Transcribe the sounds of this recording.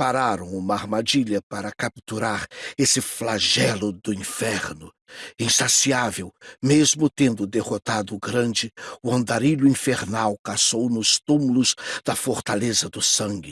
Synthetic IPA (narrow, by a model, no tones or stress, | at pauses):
paɾaɾɐ̃w̃ũmɐaɾmad͡ʒiʎɐpaɾɐkapt̪uɾaɾesɪflaʒɛlʊd̪ʊĩfɛɾnʊ | ĩsasiavewmezmʊt̪ẽnd̪ʊd̪eʁot̪ad̪ʊɡɾɐ̃nd͡ʒɪʊɐ̃nd̪aɾiʎʊĩfeɾnawkasownʊst̪ũmulʊzd̪̥ɐfoɾt̪alezɐd̪ʊsɐ̃ŋɡɪ